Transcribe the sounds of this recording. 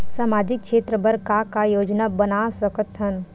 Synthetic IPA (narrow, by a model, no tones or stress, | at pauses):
saːmaːd͡ʒɪk̚ʃeːt̪ɾəbəɾkakajoːd͡ʒnabɐnasəkət̪ɦɐn